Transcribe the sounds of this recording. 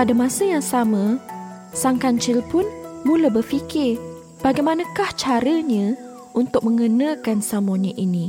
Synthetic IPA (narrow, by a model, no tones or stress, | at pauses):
padamãsəjaŋsamə̃ | saŋkant͡ʃɪlpʊnmũlabərfikɪr | b̥aɡajmanãkaht͡ʃaɾəɲə̃ | unt̪ʊk̚mə̃ŋənə̃kansamaɲə̃ʔinĩ